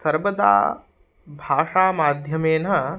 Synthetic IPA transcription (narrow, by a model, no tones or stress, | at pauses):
sɐɾʋɐd̪a̰ː | bʱaːʂaːmaːd̪ʱjɐmeːnɐ